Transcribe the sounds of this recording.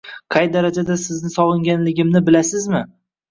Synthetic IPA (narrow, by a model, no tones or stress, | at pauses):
qʰɑjd̪aɾad͡ʒad̪asɪznɪsɒlˠɪŋɡʲanlɪɡʲɪmnɪbɪlasɪzmɪ